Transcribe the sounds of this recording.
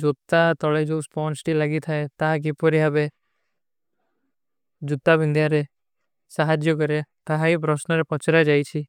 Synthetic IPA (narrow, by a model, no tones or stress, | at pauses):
d͡ʒot̪ːat̪ɔɭajd͡ʒospɔnsʈilaɡit̪ʰaet̪aɦak̬ipɔɾiabe | d͡ʒut̪ːabind̪ʱjaɾe | saɦad͡ʒjɔk̬ɔɾet̪aɦaip̬ɾɔsnɔɾepɔt͡ʃɾad͡ʒajt͡ʃʰi